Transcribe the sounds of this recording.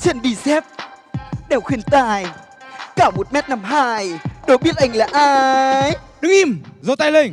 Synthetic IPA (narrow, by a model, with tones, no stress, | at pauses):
t͡ɕə˧˩nɗi˧˩sɛ˦˥p̚ | ɗɛ˧˩wxwi˨˩ənt̪aː˧˨j | kaː˧˩mo˨˩t̚mɛ˦˥t̚na˧˩mɦaː˧jɗo˨˦ɓi˦˥ət̚ʔa˧˩jŋ̟laː˨˩ʔaː˧jɗɨ˨˧˦ŋʔi˧˩mzə˧˦wt̪a˧jle˧˩n